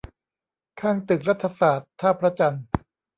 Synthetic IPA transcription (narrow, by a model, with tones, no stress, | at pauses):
kʰaː˥˩ŋt̪ɯ˨˩k̚ɾa˦˥t̪ʰːa˧saː˨˩t̪ʰːaː˥˩pʰɾa˦˥t͡ɕa˧n